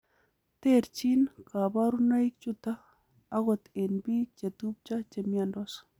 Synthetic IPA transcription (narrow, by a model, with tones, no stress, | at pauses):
t̪e˦ɾt͡ʃi˦nka˨ba˦ɾuna˦jk̚t͡ʃut̪aː˦ | ɣɔ˨t̪e˨nbi˦t͡ʃe˨t̪u˦p̚t͡ʃa˦t͡ʃe˨mjandɔs